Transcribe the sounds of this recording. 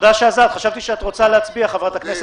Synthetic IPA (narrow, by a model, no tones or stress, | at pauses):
d̪aʃeazat̪χaʃavt̪iʃeatʁo̞t͡salehat͡sbiaχavʁat̪aknes